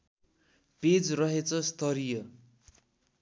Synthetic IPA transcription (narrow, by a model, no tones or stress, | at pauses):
ped͡zrʌɦet͡sʰʌst̪ʌɾijʌ